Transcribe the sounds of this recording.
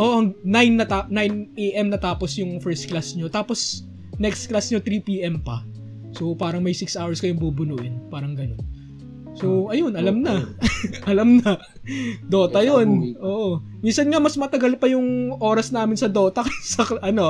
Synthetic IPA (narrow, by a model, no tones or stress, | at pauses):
ʔo̞ʔɐŋnajnːɐt̪anajnʔeʔɛmnɐt̪aːpo̞sjʊŋfɛɹst̪̚klasɲo̞t̪aːpo̞s | nɛkst̪klasɲot̪ɾiːpiːʔɛmpɐ | sopaːɾɐŋmɐjsɪksʔawɛɹskɐjoŋbubʊnuːʔɪnpaːɾɐŋɡɐnon | so̞ʔɐjo̞nɐlɐmnɐʔɐlɐmnɐ | d̪o̞ːt̪ɐjonʔoːʔo | minsɐnŋɐmɐsmɐt̪ɐɡɐlpɐjʊŋʔo̞ːɾɐsnaːmɪnsɐd̪o̞ːt̪ɐkɐsɐkʔɐno̞